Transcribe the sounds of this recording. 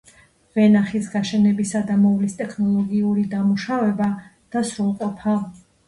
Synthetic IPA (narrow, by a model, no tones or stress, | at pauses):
vɛnaχisɡaʃɛnɛbisad̪amɔvlist̪ʼɛkʰnɔlˠɔɡiuɾid̪amuʃavɛbad̪̥asɾulˠqʼɔpʰa